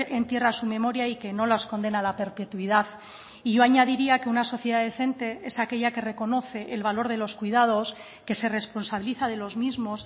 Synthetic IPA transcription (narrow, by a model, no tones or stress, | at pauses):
ʔe̞nt̪je̞rasumẽ̞mo̞ɾjaike̞no̞losko̞nd̪e̞nalape̞ɾpe̞t̪wiðaθ | iʝo̞aɲaðiɾiake̞unaso̞θjeðaðeθe̞nt̪e̞e̞sake̞ʎake̞re̞ko̞no̞θe̞ʔelβalo̞ɾð̞e̞lo̞skwiðað̞o̞s | ke̞se̞re̞spo̞nsaβiliθaðe̞lo̞zmizmo̞s